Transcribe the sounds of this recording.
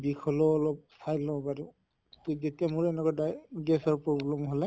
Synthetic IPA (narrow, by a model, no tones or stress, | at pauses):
bikʰɔlɔːlɔp̚sajlɔbadu | tzetiamuɹɛnɛkɔdaɡɛsɔɹpɹɔblɔmɦolɛ